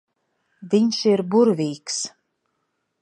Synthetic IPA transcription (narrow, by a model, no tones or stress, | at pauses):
d̪iɲʲʃiɾbuɾvʲiːks